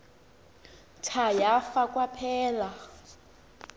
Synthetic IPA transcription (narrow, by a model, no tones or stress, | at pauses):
tʰajafakʼwapʰɛːla